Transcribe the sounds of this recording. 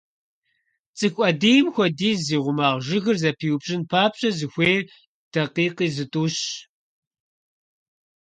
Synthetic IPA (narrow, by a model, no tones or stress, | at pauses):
t͡sʼɨkʷʼɐdiːjmxʷɔdiːziːʁʷʊmaːʁʒɨɣɨrzɐpʰiːwbɕʼɪnpʰaːpɕʼɐzɨxʷeː | d̥ɐqiːqiːzɨtʼuːɕ